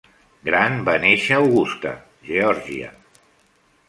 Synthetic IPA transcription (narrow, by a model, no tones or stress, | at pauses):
ɡɾanbaneʃaːwɣust̪a̰ | ʒeɔɾʒiə̰